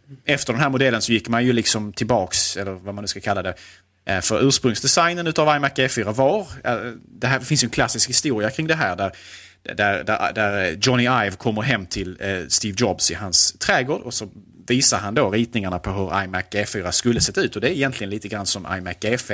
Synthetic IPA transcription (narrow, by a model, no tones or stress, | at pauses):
ɛft̪əɖɛnɦæːɾmʊd̪ɛlːənsɔjɪkːmanjɵlɪksɔmt̪ʰɪlbɑːksɛlːəɾvamanɵ̟skakʰalːad̪ɛ | fœɾʉ̟ːʂpɾɵŋsd̪ɛsajnənʉ̟t̪avajmækːeːfyːɾavɑɾd̪ɛɦæfɪnsjɵɛnkʰlasːɪskhɪst̪uːɾɪakʰɾɪŋd̪ɛɦæːɾɖ̪æɾ | d̪æɾd̪æɾd̪æɾd͡ʒɔnɪajvkʰɔmːəɾɦɛmːt̪ʰɪlst̪iːvd͡ʒɔbsɪɦanst̪ʰɾɛːɡoːɖɔsɔ | viːsaɦand̪oɾiːt̪̚nɪŋaɳapʰɔɦɵɾa̰jmækeːfyːɾaskɵlːəsɛt̪ːaʉ̟ːt̪ɔd̪ɛɪjɛnt̪ʰlɪɡəniːt̪əɡɾanːsɔmʔa̰jmækːɛf